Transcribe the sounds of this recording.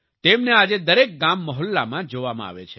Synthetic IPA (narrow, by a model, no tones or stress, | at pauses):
t̪emnead͡ʒed̪əɾek̚ɡamːɔɦəlːamãd͡ʒoʋamãa̰ʋḛt͡ʃʰe